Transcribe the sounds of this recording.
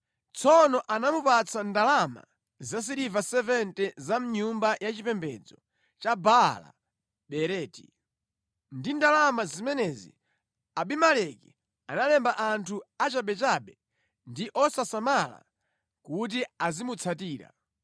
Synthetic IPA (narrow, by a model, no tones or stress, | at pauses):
t͡sʰɔnɔʔanamupat͡sandalama̰ | zas̬iɾivasɛvɛntɛzam̩ɲumbajat͡ʃipɛmbɛd͡zɔ | t͡ʃabala̰ | ɓɛɾɛːti | ndindalamazimɛnɛzḭ | aɓimalɛki | analɛmbaʔantʰuat͡ʃaɓɛt͡ʃaɓɛ | ndiʔɔsasamala̰ | kut̬iazimut͡sʰatiːɾa̰